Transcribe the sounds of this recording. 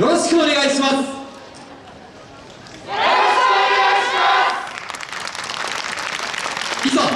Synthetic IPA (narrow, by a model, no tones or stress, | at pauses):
joɾoɕi̥kɯone̞ɡaiɕimas | kea | iza